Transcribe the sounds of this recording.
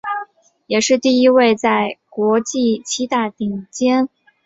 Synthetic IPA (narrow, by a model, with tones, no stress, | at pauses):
jɛ˨˩ʂɻ̩˥˧t̪i˥˩i˥we˥˧ɪt͡sa˥˩ɪkwɔ˧˥t͡ɕi˥˩t͡ɕʰi˥t̪a˥˩t̪i˨˩ŋt͡ɕjɛ˥n